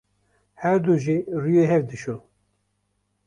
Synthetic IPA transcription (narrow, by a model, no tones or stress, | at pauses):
hæɾd̪uʒirujeɦɛvd̪ɨʃul